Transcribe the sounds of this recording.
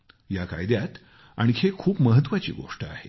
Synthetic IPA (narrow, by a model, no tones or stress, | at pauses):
jaka̰jd̪jat̪ | aɽ̃ikʰekʰuːpməɦət̪ːʋat͡ɕḭːɡo̰ʂʈəa̰he